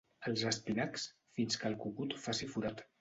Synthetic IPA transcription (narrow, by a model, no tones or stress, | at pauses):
əlˠzəspinaks | finskəlˠkukut̪fasifuɾat̪